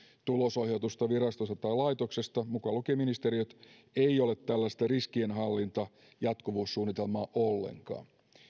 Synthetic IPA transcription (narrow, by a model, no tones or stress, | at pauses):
t̪ulosohjɑt̪ust̪ɑʋiɾɑst̪ost̪ɑt̪ɑilɑjt̪okse̞st̪ɑmukɑlukiminist̪eɾiøt̪ | eio̞let̪ːælːæst̪æriskienɦɑlːint̪ɑ | jɑt̪kuʋuːssuːnːit̪e̞lmɑːʔolːḛŋkɑ̰ːn